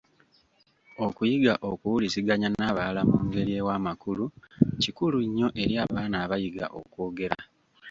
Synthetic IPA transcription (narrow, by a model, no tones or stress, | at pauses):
o̞kujiɡaʔo̞kuwuliziɡaɲanaːβalamuːŋɡe̞ɾie̞wamakulucikuluɲːo̞ʔe̞ɾiaːβaːnaːβajiɡa̰ʔo̞̰ko̞ːɡe̞ɾa̰